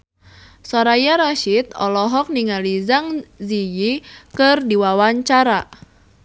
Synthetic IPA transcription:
sɔɾajaɾaʃit̪̚ɔ̰lɔɦɔk̚niŋalizaŋzijikɨrdiwawaɲt͡ʃaɾa

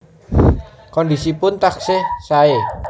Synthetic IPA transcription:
kɔndisipʊnt̪aksɪhsae

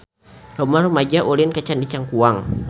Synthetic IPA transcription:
lɔmarumad͡ʒaʔulinkət͡ʃandit͡ʃaŋkuaŋ

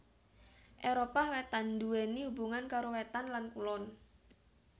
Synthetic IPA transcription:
ʔeɾopawet̪and̪uenihubuŋankaɾowet̪anlankulɔn

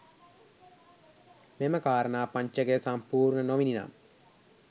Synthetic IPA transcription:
meməkaːɾənaːpaɲt͡ʃəɡesampuːɾɳənoʋinina̰m

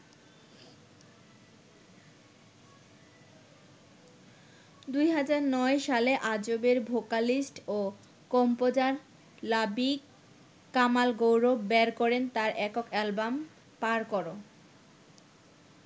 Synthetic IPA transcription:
d̪ujɦad͡ʑaɾnɔeʃaleʔad͡ʑobeɾbʱokalisʈo | kɔmpod͡ʑaɾ | labik | kːamalɡowɾobɛɾkɔɾent̪aɾʔɛkokɛlbam | paɾkɔɾo

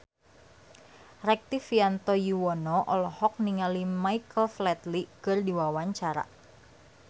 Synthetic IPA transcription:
rɛk̚t̪ifiant̪ɔjuwɔnɔʔɔlɔhɔk̚niŋalimaikəlflɛt̪likɨrdiwawaɲt͡ʃaɾa̰

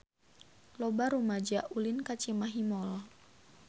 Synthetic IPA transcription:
lɔbaɾumad͡ʒaʔulinkat͡ʃimaɦimɔlɔ

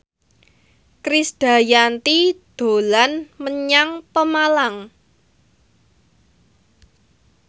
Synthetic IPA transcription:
kɾisd̪̥a̤jant̪id̪̥o̤lanməɲaŋpəmalaŋ

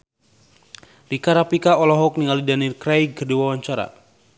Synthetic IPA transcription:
likaɾapikaɔlɔɦɔk̚niŋalidanilkɾajɡərdiwawaɲt͡ʃaɾa̰

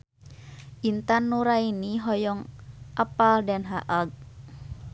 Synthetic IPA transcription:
ʔint̪anːuɾainiɦɔjɔŋʔapaldanɦaʔaɡ̚

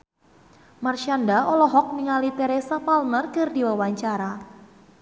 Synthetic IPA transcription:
marʃandaɔlɔɦɔk̚miŋalit̪eɾesapalnərkɨrdiwawaɲt͡ʃaɾa

